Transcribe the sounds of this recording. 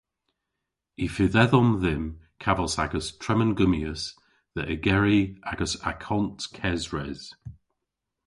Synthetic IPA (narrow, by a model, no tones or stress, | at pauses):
ifɪðɛðɔmðɪmkʰavəsaɡəstʰɹ̥ɛmənɡʊmiəs | ðəʔəɡɛɹiaɡ̥əsa̰kʰɔntkʰɛzɹɛz̥